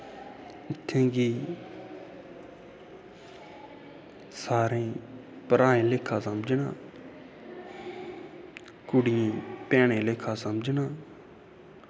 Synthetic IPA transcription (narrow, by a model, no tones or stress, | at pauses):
ɪt̪ʰːẽːɡiː | saːɾẽː | pəɾaːẽːleːkʰːãːsəmd͡ʒnãː | kʊɽɪjẽːpɛːɳ̃ẽːleːkʰãːsəmd͡ʒnãː